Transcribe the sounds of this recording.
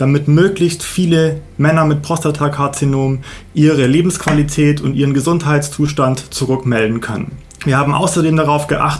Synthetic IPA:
d̥amɪtmøːklɪçstfiːləmɛnɐmɪt̚pʁ̥ɔstatʰakʰaɐt͡sinoːm | ʔiːʁəleːbm̩skv̥alitʰɛːtʰʊntʔiːʁ̞ənɡəzʊnthaɪtst͡suːʃtantt͡suʁʏkmɛldn̩kʰœnə̰n | viːɐhaːbm̩ʔa̰ʊsɐdeːmdaʁ̞aʊfɡ̥əʔa̰χtə

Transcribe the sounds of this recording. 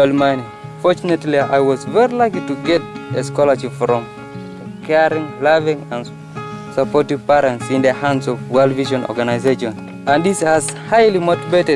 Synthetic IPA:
lmani | fɔt͡ʃunetlia̰jwɔzvɛɹilaɪklituɡɛt̚eskɔləʃipfɹɔ̃m | kʰɛɹĩŋlavĩŋãn | sapɔtivpɛɾə̃ntsĩndəhãndsɔvwɛlˠdviʒɔ̃nɔ̰ɡanaɪzeʃɔ̃n | ãnðishazhaɪlimotivetɛ

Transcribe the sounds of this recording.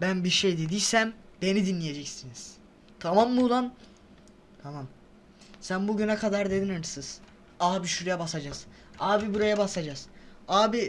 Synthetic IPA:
bænbiɾʃejd̪ed̪ijsæmbe̞nid̪inlʲːije̞d͡ʒɛcsiniz̥ | t̪ʰamamːuːlˠan | t̪ʰamam | sænbuɟynɛkʰad̪aɾd̪e̞d̪inɯɾsɯz̥ | aːbiʃuɾjabasad͡ʒaz̥ | aːbibuɾajabasad͡ʒaz̥aːbi

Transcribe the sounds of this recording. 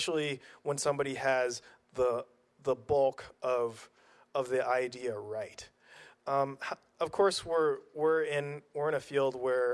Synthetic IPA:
ʃl̩ˠiwə̃nsʌ̃mbɑɾiɨz | ðə | ðəbʌlˠkʰʔʌv | ʌvðiʔaɪdiɨɹaɪt̚ | ʌ̃mh | ʌv̥kʰɔɹswɪɹwɪɹɪ̃nwɪɹɨ̃ñɨfilˠd̚wə˞

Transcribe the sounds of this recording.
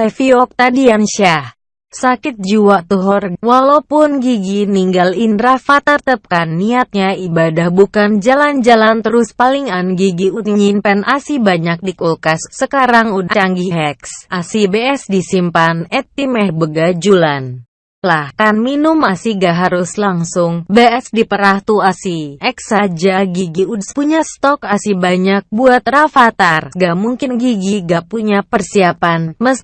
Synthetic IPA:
sɛfiɔk̚t̪adianʃah | sakɪt̪̚d͡ʒuwaʔt̪uɦɔrwalaupʊnɡiɡiniŋɡalindɾafat̪art̪əp̚kanːiat̪̚ɲaibadahbukand͡ʒaland͡ʒalant̪əɾʊspaliŋanɡiɡiut̪ɲuɲinpɛnʔasibaɲak̚dikulkasːəkaɾaŋudt͡ʃaŋɡiɦɛksʔasibeɛsdisimpanɛt̪̚imɛhbəɡad͡ʒulan | lahkanminʊmasiɡaɦaɾʊslaŋsʊŋbeɛsdipəɾaht̪uasiʔɛksad͡ʒaɡiɡiudspuɲast̪ɔkasibaɲak̚buat̪̚rafat̪arɡaʔmuŋkɪnɡiɡiɡaʔpuɲapərsiapanməs

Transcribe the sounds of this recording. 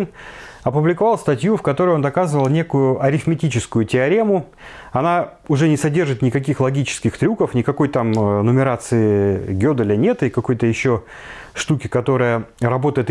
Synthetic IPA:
nɐpʊblʲɪkɐvalˠst̪ɐtʲjufkɐt̪o̞ɾɨjo̞nd̪ɐkazɨvəlˠnʲe̞kʊjʊɐɾʲɪxmʲɪtʲit͡ɕɪskʊjʊtʲɪɐɾʲemʊ | ɐna | ʊʐɛnʲɪsɐdʲe̞rʐɨt̪nʲɪkɐkʲixlˠɐɡʲit͡ɕɪ̥skʲɪxt̪ɾʲukəfnʲɪkɐko̞jt̪amnʊmʲɪɾat̪sɨɪɡʲod̪ɨlʲɪnʲet̪ɨkɐko̞jt̪əjɪɕːo | ʂt̪ukʲɪkɐt̪o̞ɾəjəɾɐbo̞t̪əjɪt̪

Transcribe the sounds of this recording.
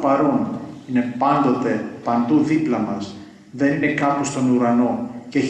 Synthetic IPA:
pɐɾo̞nine̞pɐnd̪o̞t̪e̞pɐnd̪uðiplɐmɐs | ðe̞nine̞kɐpust̪o̞nuɾɐno̞ceç

